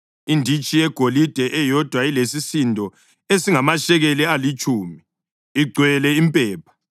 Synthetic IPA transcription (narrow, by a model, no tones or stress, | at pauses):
indʱit͡ʃʼijɛɡ̥ʱolid̥ʱɛʔɛjɔd̥ʱwailesisindʱɔ | esiŋamaʃɛɣɛlɛalit͡ʃʼuːmiː | ɡ͡ǀʱwɛlɛimpʼɛːpʰḁ